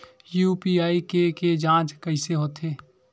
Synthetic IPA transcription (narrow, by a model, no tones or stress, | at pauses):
juːpiaːikeked͡ʒãːt͡ʃkəɪseɦoːt̪eː